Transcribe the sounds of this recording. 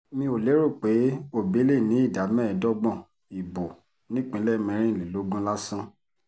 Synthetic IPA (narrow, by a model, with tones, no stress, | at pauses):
mĩ˧˦o˨le˨˦ɾo˦˨k͡pe˨˦o˦˨be˨˦le˦˨nĩ˨˦i˦˨da˨˦mɛ̃˦˧˨dɔ˦ɡ͡bɔ̃˦˨ | i˨bo˨ | nĩ˦k͡pĩ˨˦lɛ˦mɛ̃˧ɾ̃ĩ˦˨le˨lo˨˦ɡũ˦la˦sã˦